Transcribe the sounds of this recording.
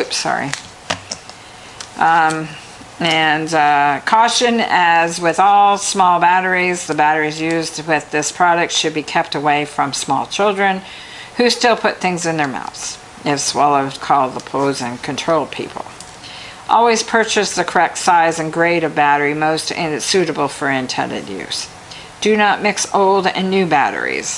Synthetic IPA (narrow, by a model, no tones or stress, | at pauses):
psɑ̰ɹḭ | ɨ̃nkʰɔʃɨ̃nɨzwɪðɔlˠsmɔlˠbæɾə˞izðɨbæɾə˞izjʉzdwɪððɪspʰɹ̥ɑɾɨk̚tʃɨd̚bikʰɛp̚təweɪfɹʌ̃msmɔ̰lˠt͡ʃʰɪlˠdɹɨ̃n | hʉstɪlˠpʰʊt̪̚θɪ̃ŋzɨ̃nðə˞ma̰ʊθs | ɪfswɛlˠʌv̥kʰɔlˠd̪̚ðəpʰoʊzɨ̃nkʰɨ̃ntʰɹ̥oʊlˠd̚pʰḭpʰl̩ˠ | ʔɔ̰lˠwiz̥pʰɜ˞t͡ʃɨsðɨkʰə˞ɛk̚tsaɪzɨ̃nɡɹeɪɾʌvbæɾə˞imoʊstɪ̃sʉɾɨbl̩ˠfə˞ɪ̃ntʰɛ̰̃ndɨ̰djʉ̰z̥ | d̥ɨnət̚mɪksoʊlˠdɨ̰̃nːʉbæ̰ɾə̰˞ḭz̥